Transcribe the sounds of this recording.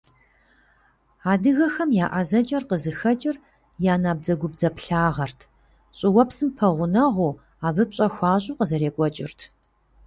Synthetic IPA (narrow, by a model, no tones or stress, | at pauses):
aːdɨɣɐxɐmjaːʔɐzɐt͡ʃʼɐrqəzɨxɐt͡ʃʼɪr | jaːnaːb̚d͡zɐɡʷʊb̚d͡zɐpɬaːʁɐrtʰ | ɕʼɪwɐpsɨmpʰɐʁʷʊnɐʁʷu | aːvɨpɕʼɐxʷɑːɕʼuːqəzɐɾeːkʷʼɔt͡ʃʼɪ̰rtʰ